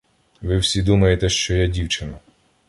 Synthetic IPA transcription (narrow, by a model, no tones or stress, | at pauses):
ʋɪwsʲid̪umɐjet̪ɛʃt͡ʃɔjadʲiwt͡ʃɪnɐ